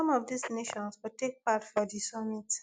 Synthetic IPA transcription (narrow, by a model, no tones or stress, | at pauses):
ɔ̃mɔvdisneʃɔ̃nswutek̚patfɔdisɔmit